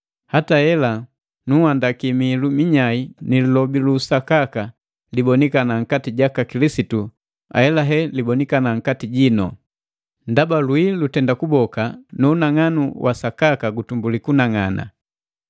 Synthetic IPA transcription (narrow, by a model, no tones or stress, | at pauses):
hatahɛla | nuhandakimilumiɲainilulɔbilusakaka | libɔnikanaŋ̩katiɟakakilisitu | a̰ɛlaɦɛlibɔnikanaŋ̩katiɟinɔ̰ | ndabalwilutɛndakubɔkanuːnaŋanuwʔasakakaɡutumbulikunaŋana̰